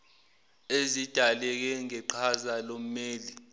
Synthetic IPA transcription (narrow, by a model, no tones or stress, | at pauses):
ezid̥ʱalɛk̬ɛŋɛǃʰazalom̩meːli